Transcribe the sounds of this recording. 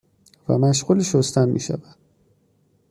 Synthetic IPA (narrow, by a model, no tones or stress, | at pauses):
væ̰mæʃɢuliʃost̪ænmḭːʃæ̰væd̪̥